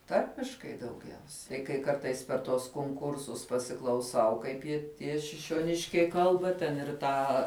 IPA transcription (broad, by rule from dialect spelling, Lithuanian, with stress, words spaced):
ˈtɐrʲmʲɪʃkɐɪ dɐʊˈɡʲɛʊsʲɛ tɐɪ kɐɪ ˈkɐrtɐɪs pʲɛr tuɔs koːŋˈkʊrsʊs pɐsʲɪklˠɐʊˈsɐʊ ˈkɐɪp jɪ ˈtʲiɛ ʃʲɪʃʲoːˈnʲɪʃʲkʲɛɪ ˈkɐlˠbɐ tʲɛn ɪr ˈtɑː